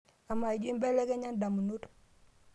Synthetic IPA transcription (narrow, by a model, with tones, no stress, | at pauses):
a˨ma˨i˨d͡ʒi˦mbɛ˦le˦ke˦ɲa˦nda˨mu˨nu˦t